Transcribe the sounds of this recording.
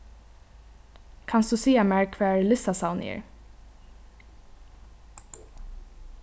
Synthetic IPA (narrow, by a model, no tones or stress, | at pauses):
kʰɑnsd̪ʉːsiːamæɹkʰʋæːɹlɪsasaʊnɪ̰ə̰ɹ